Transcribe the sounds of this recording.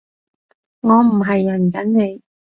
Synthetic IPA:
ŋɔː˨˧m̩˨˩ɦɐ˨jːɐ˨˩nkɐ˨˥nne˨˧j

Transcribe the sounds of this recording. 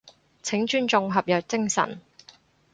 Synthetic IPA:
t͡sʰɪ˨˥ŋt͡ʃyː˥nt͡sʊ˧ŋɦɐ˨p̚jœː˨k̚t͡sɪ˥ŋsɐ̰˨˩n

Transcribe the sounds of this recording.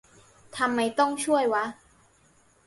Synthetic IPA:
t̪ʰa˧mːa˧jt̪ɔ˥˩ŋt͡ɕʰu˥˩əjwa˦˥

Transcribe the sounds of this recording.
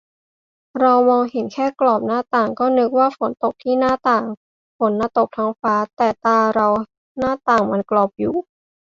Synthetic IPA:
ɾa˧wmɔː˧ŋhe˩˦nkʰɛː˥˩klɔː˨˩p̚naː˥˩t̪aː˨˩ŋkɔː˥˩nɯ˦˥k̚waː˥˩fo˩˦nt̪o˨˩k̚t̪ʰiː˥˩naː˥˩t̪aː˨˩ŋ | fo˩˦nːaː˧˩t̪o˨˩k̚t̪ʰa˦˥ŋfaː˦˥t̪ɛː˨˩t̪aː˧ɾa˧w | naː˥˩t̪aː˨˩ŋma˧nklɔː˨˩p̚juː˨˩

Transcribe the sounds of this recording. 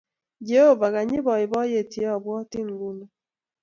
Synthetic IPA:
d͡ʒe˨ho˦va˨ɣa˨ɲɪ˦bɔ˨ɪ˨bɔ˦je˦˨te˦ɔ˨bwɔ˦tɪ˦ŋ˨ɡu˦no˨

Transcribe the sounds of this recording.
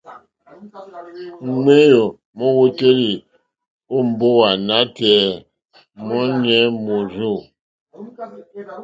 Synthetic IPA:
ŋe˦jo˨ | mɔ˦wo˦te˦ɾi˨ | o˦m̩˨bo˦wa˨na˦tɛ˨˦ | mɔ˦ɲɛ˦mo˨ɾu˦˨

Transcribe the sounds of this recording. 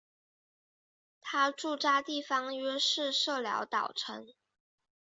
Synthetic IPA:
t̪ʰa˥ʈ͡ʂu˥˧ʈ͡ʂa˥t̪i˥˩fɑ˥ŋɥɛ˥ʂɻ̩˥˧ʂɤ˥˩ljɑ̰˧˥ʊt̪ɑ˨˩ʊʈ͡ʂʰə˧˥ŋ

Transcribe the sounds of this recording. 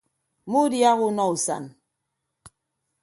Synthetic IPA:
mu˦dja˦ɣu˦nɔ˦u˨sa̰˨n

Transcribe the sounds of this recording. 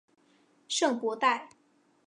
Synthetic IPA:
ʂɤ˥˩ŋpwɔ˧˥t̪a˥˩ɪ

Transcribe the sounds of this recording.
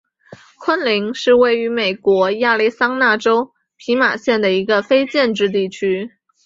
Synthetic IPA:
kʰwə˥nli˧˥ŋʂɻ̩˥˧we˥˩ɪy˧˥me˨˩ɪkwɔ˧˥ja˥˧li˥ɪsɑ˥ŋna˥˩ʈ͡ʂo˥ʊ | pʰi˧˥ma˨˩ɕjɛ˥˩nd̪ə˩i˧˥ɡə˧fe˥ɪt͡ɕjɛ˥˧nʈ͡ʂɻ̩˥˧t̪i˥˩t͡ɕʰy˥

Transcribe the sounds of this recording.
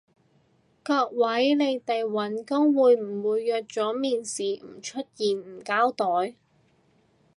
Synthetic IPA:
kɔː˧k̚wɐ˨˥jle˨˧jt̪e˨jwɐ˨˥nkʊ˥ŋwuː˨˧jm̩˨˩wuː˨˧jːœː˨˧t̚t͡sɔː˨˥miː˨˩nsiː˨m̩˨˩t͡ʃʰɵ˥t̚jiː˨nm̩˨˩kaː˥wt̪ɔː˨˥j

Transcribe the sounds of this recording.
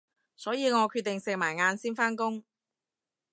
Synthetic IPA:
sɔː˨˥jiː˨˧ŋɔː˨˧kʰyː˧t̪ɪ˨ŋsɪ˨k̚maː˨˩jŋaː˧nsiː˥nfaː˥nkʊ˥ŋ

